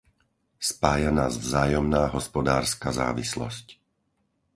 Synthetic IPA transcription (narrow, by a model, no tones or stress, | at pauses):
spaːjanaːzvzaːjɔmnaːɦɔspɔd̪aːɾskaza̰ːʋislɔ̰sc